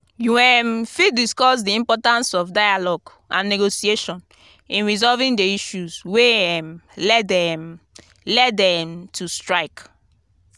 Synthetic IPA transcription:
juwɛ̃mfidiskɔs̬diĩmpɔtãnsɔfdajalɔɡ | ʔã̰nːeɡosieʃɔ̃n | ĩnɹizɔlvĩŋdeiʃuzweɛmlɛdɛm | lɛtdɛ̃mtʰustɹaɪk

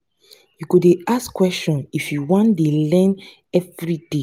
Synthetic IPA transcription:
jukudeaskwɛstɔ̃nifjuwɔ̃ndelɛ̃n | ɛvɹide

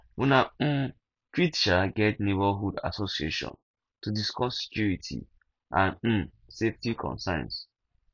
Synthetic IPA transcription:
una | tɹitʃaɡɛtnebaɦuda̰sosieʃɔ̰̃n | tudiskɔssɛ̥kjuɹitʰḭ | ʔãnm̩ | seftikʰɔ̰̃nsã̰ns

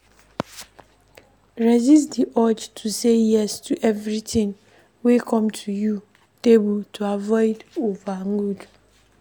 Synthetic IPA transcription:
ɹɛzistdiʔɔd͡ʒtʰusejɛstʰuʔɛvɾitʰĩŋ | wekʰɔ̃mtʰuju | tebultʰuavɔɪdovaŋɡud

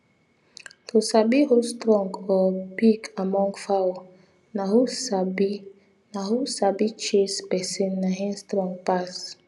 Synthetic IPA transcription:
tʰosabiɦustɾɔ̃ŋɡɔpikamɔ̃ŋɡfaw | nahusabi | nahusabit͡ʃespɛsĩnːaɦĩnstɾɔ̃ŋɡ̚pas

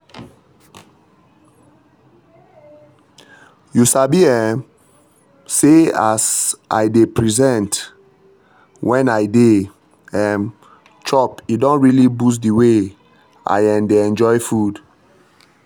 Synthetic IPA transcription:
jusabiɛ | seasa̰jdepɹizɛ̃nt | wʔɛ̃najde | ɛ̃m | t͡ʃɔpidɔ̃nɹilibus̬diwe | a̰jɛ̃ndeɛ̃nd͡ʒɔjfud

